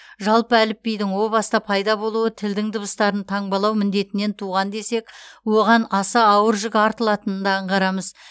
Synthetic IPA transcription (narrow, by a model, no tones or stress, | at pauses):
ʒɑlˠpəælɪpːejd̪ɪŋwo̞lˠbɑst̪ɑpʰɑjd̪ɑbo̞lˠuwət̪ʰɪld̪ɪŋd̪ʊbəst̪ɑɾənt̪ʰɑɴbɑlˠɑwmɪnd̪e̞t̪ɪne̞nt̪ʰuʁɑnd̪e̞se̞kwo̞ʁɑnɑsɑɑwəɾʒɪɡʲɪɑɾt̪əlˠɑt̪ənənd̪ɑɴqɑɾɑməz